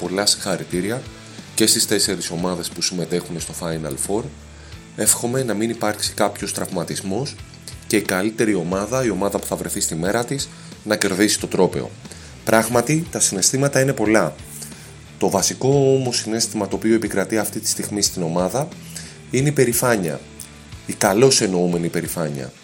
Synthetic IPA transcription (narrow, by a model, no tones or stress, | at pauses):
po̞lɐsĩ̥ŋxɐɾit̪iɾiɐ | ce̞st̪ist̪e̞se̞ɾiso̞mɐðe̞spusime̞t̪e̞xune̞st̪o̞fɐjnɐ̰lfo̞ɾ | e̞fxo̞me̞nɐminipɐɾksi̥kɐpço̞st̪ɾɐvmɐt̪izmo̞s | ce̞ikɐlit̪e̞ɾio̞mɐðɐio̞mɐðɐpu̥θɐvɾe̞θist̪ime̞ɾɐt̪is | nɐce̞ɾðisi̥t̪o̞t̪ɾo̞pe̞̰o̞̰ | pɾɐɣmɐt̪it̪ɐsine̞st̪imɐt̪ɐine̞po̞lɐ | t̪o̞vɐsiko̞omo̞sːine̞st̪imɐt̪o̞ːpio̞eipikɾɐt̪iɐft̪it̪i̥st̪iɣmist̪ino̞mɐðɐ | ineipe̞ɾifɐɲɐ̰ | ikɐlo̞se̞no̞ume̞nipe̞ɾifɐɲɐ̰